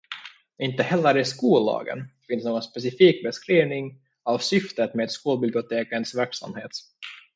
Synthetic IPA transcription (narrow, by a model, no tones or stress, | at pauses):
ɪnt̪əhɛlːəɾɪskuːlɑ̰ːɡə̰nfɪnsnoːɡɔnspɛs̬ɪfiːk̚bɛskɾiːvnɪŋ | avsʏft̪ət̪meːd̪skuːlbɪblɪʊt̪ʰeːkənsvæɾksa̰mheːt̪